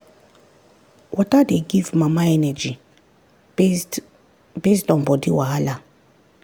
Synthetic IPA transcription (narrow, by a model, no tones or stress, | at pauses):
wʔɔtadeɡivmamaɛnɛd͡ʒi | bestɔ̃nbɔdiwaala